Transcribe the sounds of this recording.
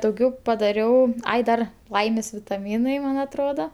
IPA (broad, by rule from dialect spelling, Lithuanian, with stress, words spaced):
dɐʊˈɡʲɛʊ pɐˈdɑːrʲɛʊ ˈɐɪ ˈdɐr ˈlˠɐɪmʲeːs ʋʲɪtɐˈmʲiːnɐɪ ˈmɐn ɐtˈroːdoː